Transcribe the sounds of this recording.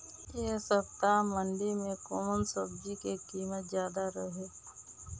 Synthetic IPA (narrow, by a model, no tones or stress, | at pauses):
jesəp̚t̪aməɳɖimẽkoːmənsəb̚d͡ʒikekiːmət̪zjaːd̪aɾəɦe